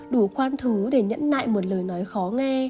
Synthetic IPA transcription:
ɗu˧˩xwaː˧nt̪ʰɨ˨˦ɗe˧˩ɲə̰˧˥nla̰ː˧˨jmo˨˩t̚ləː˨˩jnɔ˨˦jxɔ˨˦ŋɛ˧

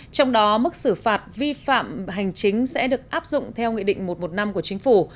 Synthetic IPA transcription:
t͡ɕɔ˧wŋ͡mɗɔ˨˦mɨ˦˥k̚sɨ˧˩faː˨˩t̚vi˧fa̰ː˧˨mɦa˨˩jŋ̟t͡ɕï˨˦ŋ̟sɛ̰˧˥ɗɨ˨˩ək̚ʔaː˦˥p̚zʊ̰˧˨ŋ͡mt̪ʰɛ˧wŋḭ˧˨ɗḭ˧˨ŋ̟mo˨˩t̚mo˨˩t̚na˧mku˧˩ət͡ɕï˨˦ŋ̟fu˧˩

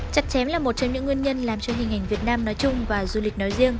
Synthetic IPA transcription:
t͡ɕa˨˩t̚t͡ɕɛ˨˦mlaː˨˩mo˨˩t͡ɕɔ˧ŋ͡mɲɨ̰˧˥ŋːwi˧ənɲə˧nlaː˨˩mt͡ɕɔ˧wŋ͡mhi˨˩ŋ̟ʔa˨˩jŋ̟vi˨˩ət̚naː˧mnɔ˨˦jt͡ɕʊ˧ŋ͡mvaː˨˩zu˧li˨˩k̟̚nɔ˨˦jzi˧əŋ

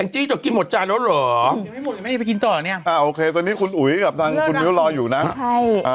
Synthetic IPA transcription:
ɛ˧ŋt͡ɕiː˧˥˩t͡ɕ̪ɔ˨˩ki˧nmo˨˩t͡ɕaː˧nlɔː˨˦ɾəː˩˦˨ma˥˩jmo˨˩˨ki˧nt̪ɔː˨˩˨ni˥ɐʔaː˧˩ʔoː˧kʰeː˧t̪o˧nːiː˦˥kʰu˧nʔu˨˩˦jka˨˩p̚t̪ʰaː˧ŋkʰu˧nmi˦˥lɔː˧juː˨˩na˦˥a˥˩jʔa˧˩

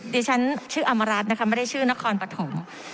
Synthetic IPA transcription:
diː˧˥t͡ɕʰa˦˥nt͡ɕʰɯː˥˩ʔa˧mːa˧ɾaː˦˥t̪̚na˦˥kʰa˦˥ma˥˩da˥˩jt͡ɕʰɯː˥˩na˦˥kʰɔː˧npɾa˧t̪ʰo˩˦m

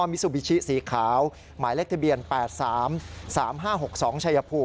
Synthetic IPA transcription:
ɔː˧mi˦˥su˨˩wi˦˥t͡ɕʰi˦˥siː˨˩˦kʰaː˩˦w | maː˩˦jle˥˩k̚t̪ʰa˧bi˨˧ənpɛː˨˩t̪̚saː˩˦msaː˩˦mɦaː˥˩ɦo˨˩k̚sɔː˩˦ŋt͡ɕʰa˧ja˧pʰuː˧˩

